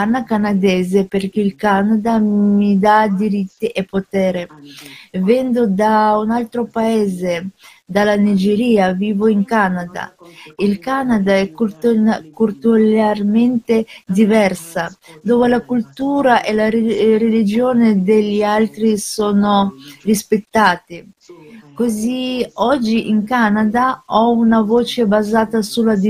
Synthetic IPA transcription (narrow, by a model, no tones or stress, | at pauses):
anːakanad̪ɛːzeperk̟eilkanad̪amid̪ad̪iɾit̪ːiʔepot̪ɛːɾe | vɛnd̪od̪aunalt̪ɾopaeːze | d̪alanid͡ʒeɾiːaviːvoiŋkanad̪a̰ilkanad̪aɛk | kurt̪ularment̪ed̪ivɛrsad̪oːvelakult̪uːɾaʔelaɾelid͡ʒoːned̪elːialt̪ɾisoːnorispet̪ːaːt̪i | koziɔd͡ʒːiʔiŋkanad̪aɔunavoːt͡ʃebazaːt̪asulːad̪i